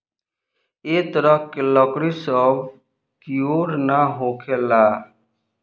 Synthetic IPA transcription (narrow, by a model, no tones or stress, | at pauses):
eːt̪əɾəkelɔkɽisəb | kijoːɾnaɦoːkʰelaː